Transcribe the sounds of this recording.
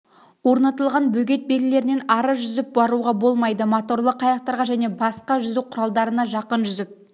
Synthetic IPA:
wo̞ɾnɑt̪əlˠʁɑnbɵɡʲe̞t̪̚beɾɪle̞ɾɪnenɑɾəʒʏzɪp̚bɑɾuʁɑbo̞lˠmɑjd̪əmot̪o̞rlˠəqʰːɑjɑq̚t̪ɑɾʁɑʒæne̞bɑsqɑʒʏzɪwqʰʊɾɑlˠd̪ɑɾənɑʒɑqənʒʏzɪp̚

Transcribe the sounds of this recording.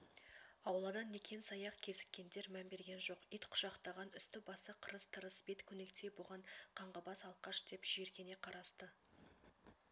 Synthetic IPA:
ɑwlˠɑd̪ɑnːe̞kʲʰe̞nsɑjɑqkʲʰe̞zɪ̥kʲːe̞nd̪e̞ɾmæmbe̞ɾɡʲe̞nʒo̞qijt̪qʰʊ̥ʒɑqt̪ɑʁɑnʏst̪ɪbɑsəqʰəɾəst̪ʰəɾəsbe̞t̪kʲʰɵne̞kt̪ʰe̞boʁɑɴqʰɑɴʁɑbɑsɑlˠqɑʃd̪̥e̞pʒ̥ieɾkʲe̞ne̞qʰɑɾɑst̪ə

